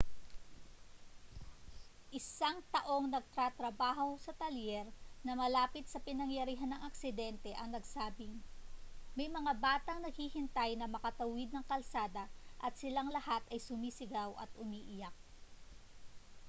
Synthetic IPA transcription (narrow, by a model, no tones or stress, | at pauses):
ʔɪsaŋt̪ɐʔo̞ŋnɐɡ̚t̪ɾat̪ɾɐbaːɦo̞sɐt̪ɐljɛɾnɐmɐlaːpɪt̪̚sɐpɪnɐŋjɐɾiːɦɐnɐŋɐk̚sɪd̪ɛnt̪ɛʔɐŋnɐɡsaːbɪŋ | mɐjmɐŋabaːt̪ɐŋnɐɡ̚hihɪnt̪ajnɐmɐkɐt̪ɐwɪd̪̚nɐŋkɐlsaːd̪ɐʔɐt̪̚sɪlaŋlɐhat̪ɐjsʊmiːsɪɡawʔɐ̰t̪ʊmiːʔɪjak̚